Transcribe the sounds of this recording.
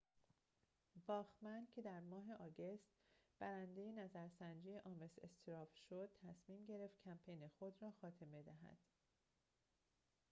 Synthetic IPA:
vɒːxmænd̪̚cʰe̞d̪æɾmɒːɦe̞ʔɒːɡe̞st̪b̥æɾænd̪e̞jenæzæɾsænd͡ʒijeʔɒːme̞sḛst̪ʰeɾɒːfʃod̪̚t̪ʰæsmiːmɟe̞ɾe̞ft̪̚cʰæmpʰe̞jnexo̞d̪ɾɒːxɒːt̪ʰe̞me̞d̪æɦæ̰d̪̥

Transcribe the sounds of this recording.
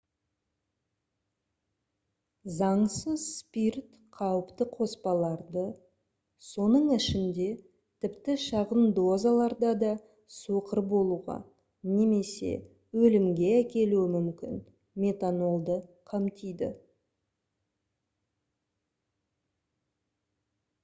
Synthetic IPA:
zɑɴsəzspirt̪ | qʰɑwəpt̪əqʰo̞spɑlˠɑɾd̪ə | so̞nəɴɪʃɪnd̪e̞ | t̪ʰɪpt̪ɪʃɑʁənd̪o̞zalˠɑɾd̪ɑd̪ɑ | soqəɾbo̞lˠuʁɑ̰ | ne̞me̞se̞̰ | wɵlɪmɡʲe̞ækʲe̞luɪmʏmkʲɪn | mʲe̞t̪ano̞lˠd̪əqʰɑmt̪ijd̪ɪ̰

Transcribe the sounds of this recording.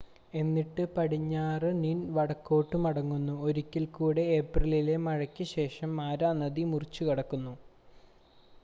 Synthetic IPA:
e̞nːiʈːɨpɐɽiɲːaːrɨninʋɐɽɐkːo̞ːʈːɨmɐɽɐŋːunːuo̞ɾukʲːilkuːɽe̞eprɐlile̞mɐɻɐkʲːɨɕe̞ːʂɐmːaːɾanɐðimurit͡ɕːukɐɽɐkːunːu

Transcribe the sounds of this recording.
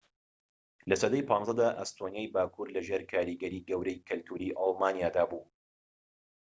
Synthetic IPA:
lɐsɐd̪ɐjpʰɑːnzɐd̪aːʔɐ̰st̪ʰonijaːjbaːkʰuːɾlɐʒeːɾkʰaːɾiɡɐɾiːɡɐwɾɐjkʰɨlt̪ʰuːɾiːʔɑlˠmaːnijaːd̪aːbuː

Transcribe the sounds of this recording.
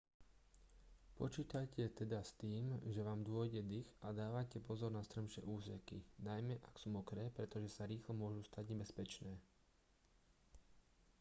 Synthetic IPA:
pɔt͡ʃiːt̪acɛt̪ɛd̪ast̪iːmʒɛʋaːmd̪ʊɔjɟɛd̪ixad̪aːʋacɛpɔzɔɾnast̪ɾəmʃɛ̰ʔuːsɛkinajmɛʔaksuːmɔkɾɛːpɾɛt̪ɔʒɛsaɾiːxlɔmʊɔʒust̪aɟɲɛbɛspɛt͡ʃnɛː

